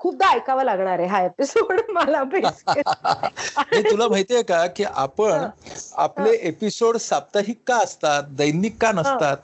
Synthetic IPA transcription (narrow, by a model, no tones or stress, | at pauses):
kʰuːp̚d̪aːjkaʋalaɡɳaɾeɦaepisoɽməlabeske | ẽt̪ulam̤əɦjt̪jekakiːʔapəɳapleʔepisoɽsap̚t̪aɦiːkːaəst̪at̪̚d̪əjniːkːanəsat̪̚